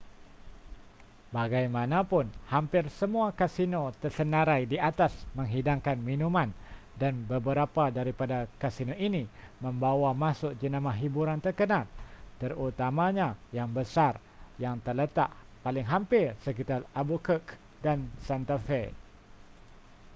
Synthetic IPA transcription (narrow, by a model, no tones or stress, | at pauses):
baɡajmãnapʊnhampɪrsəmuakasinot̪ərsənaɾajdiat̪asmə̃ŋɦidaŋkanminũmãn | danbəbəɾapadaɾipadakasinoʔini | mə̃mbawamãsʊʔ̚d͡ʒənamahɦibuɾant̪ərkənalt̪ərut̪amaɲajaŋbəsar | jaŋt̪ərlət̪a̰ʔpalɪŋɦampɪrsəkit̪arabukək | dansant̪afɛ